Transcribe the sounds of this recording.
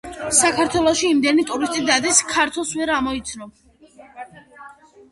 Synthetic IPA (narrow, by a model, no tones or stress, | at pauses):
sakʰaɾt̪ʰwɛlˠɔʃiːmd̪ɛnit̪ʼuɾist̪ʼid̪ad̪iskʰaɾt̪ʰwɛlˠsvɛɾamɔit̪sʰnɔ